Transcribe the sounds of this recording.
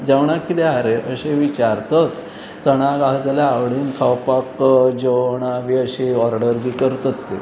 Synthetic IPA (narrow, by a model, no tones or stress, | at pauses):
d͡ʑeʋɳ̃akːit̪eaɾeʔəɕeʋit͡ɕaɾt̪ət̪ | t͡səɽ̃aɡaɦd͡zəlaːʋɽiːnkʰawpakd͡ʑəwɳaʋiəɕeɔɾɖəɾbikəɾt̪ət̪ːe